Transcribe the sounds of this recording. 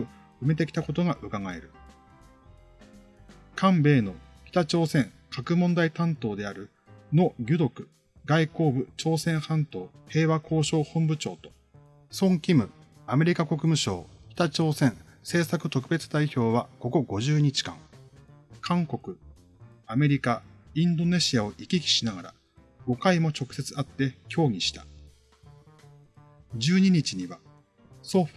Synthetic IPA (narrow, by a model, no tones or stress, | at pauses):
ɯ̟me̞t̪e̞kʲi̥t̪ako̞t̪o̞ɡaʔɯ̟kaŋae̞̰ɾɯ̟ | kʰãmbe̞ːno̞kʲi̥t̪at͡ɕo̞ːsẽ̞ŋ | kʰakɯ̟mõnd̪ait̪ãnt̪o̞ːd̪e̞aɾɯ̟ | no̞ɡʲɨd̪o̞kɯ̟̥ | ɡaiko̞ːbɯ̟t͡ɕo̞ːsẽ̞ɰ̃hãnt̪o̞ːhe̞ːβakʰo̞ːɕo̞ːhõ̞mbɯ̟t͡ɕo̞ːt̪o̞̥ | sõ̞ŋkʲimɯ̟ | ame̞ɾʲikako̞kɯ̟mɯ̟ɕo̞̰ːçʲi̥t̪at͡ɕo̞ːsẽ̞ɰ̃ | se̞ːsakɯ̟t̪o̞kɯ̟be̞t͡sɨd̪aiço̞ːβako̞ko̞ɡo̞ʑɨːɲ̟it͡ɕi̥kã̰ŋ | kʰãŋko̞kɯ̟ | ame̞ɾʲikaĩnd̪o̞ne̞ɕiao̞ʔikʲikʲi̥ɕinaɡaɾa̰ | ɡ̥o̞kaimo̞t͡ɕo̞kɯ̟se̞t͡sɨ̥at̪ːe̞kʲo̞ːɡʲiɕi̥t̪ḁ | d͡ʑɨːɲ̟iɲ̟it͡ɕiɲ̟iβa | so̞ɸ